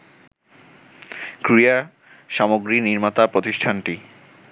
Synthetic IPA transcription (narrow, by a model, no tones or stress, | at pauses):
kɾija | ʃamoɡɾiniɾmat̪apɾot̪iʃʈʰanʈi